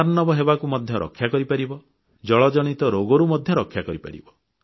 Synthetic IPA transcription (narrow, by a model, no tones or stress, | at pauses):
aɾnɔbɔɦebakumɔd̪ʱjɔɾʔɔ̰kʰːjakɔɾipaɾibɔ | d͡ʒɔɭɔd͡ʒɔɽ̃it̪ɔɾoɡɔɾumɔd̪ʱjɔɾɔkʰːjakɔɾipa̰ɾḭbɔ